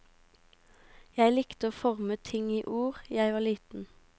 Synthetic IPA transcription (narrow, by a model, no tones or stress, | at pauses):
jæɪlɪkt̪əoːfɔʁmət̪ʰɪŋiːʔuːʁjæɪʋɑːliːt̪n̩